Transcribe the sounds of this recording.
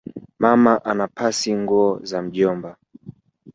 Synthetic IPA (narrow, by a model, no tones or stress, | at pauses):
mamaʔanapasiŋɡuɔzam̩ʄɔmba